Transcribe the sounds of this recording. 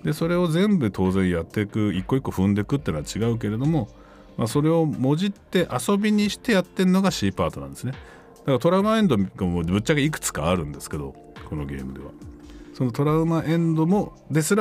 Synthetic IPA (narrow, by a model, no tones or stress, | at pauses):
d̪e̞so̞ɾe̞o̞zẽ̞mbɯ̟t̪ʰo̞ːzẽ̞ɰ̃jat̪ːe̞kɯ̟ikːo̞ikːo̞ɸɯ̟̃nd̪e̞kɯ̟t̪ːenoat͡ɕiɡaɯ̟k̬e̞ɾe̞d̪o̞mo̞ | maso̞ɾe̞o̞mo̞ʑit̪ːe̞ʔaso̞bʲiɲ̟iɕi̥t̪e̞jat̪ːe̞ɾɯno̞ɡaɕiːpaːt̪o̞nã̰nd̪e̞sɨne | d̪̥akaɾat̪o̞ɾaɯ̟maẽ̞nd̪oɡaobɯ̟t͡ɕːaɡaik̬ɯ̟̥t͡sɨ̥ka̰ːɾɯ̟̃nd̪e̞sɨ̥ke̞d̪o̞̰ | ko̞no̞̰ɡe̞̰ːmɯ̟d̪e̞̰βa̰so̞no̞t̪o̞ɾaɯ̟maʔẽ̞nd̪o̞mo̞ | d̪e̞sɨɾ